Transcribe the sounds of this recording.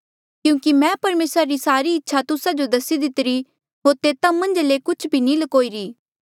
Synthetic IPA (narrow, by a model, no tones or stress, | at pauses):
kjũːkimɛ̃pɐɾmeːsɾaɾisaːɾiɪtːʃʰat̪ʊsad͡ʒod̪ɐsid̪ɪt̪ɾi | ɦoːɾt̪eːt̪ãmɐ̃nd͡ʒlekʊt͡ʃʰbʱinilɐkoːiɾiː